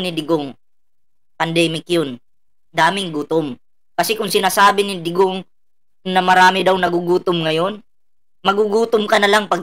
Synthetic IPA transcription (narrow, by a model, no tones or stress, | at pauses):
nɪd̪ɪɡoŋ | pɐnd̪ɛːmɪkjon | d̪aːmɪŋɡuːt̪om | kɐsɛkʊŋsɪnaːsaːbɪnɪd̪ɪɡoŋ | nɐmɐɾaːmɪd̪awnɐɡuɡuːt̪ʊmŋɐjo̞n | mɐɡuɡuːt̪omkɐnɐlaŋpɐɡ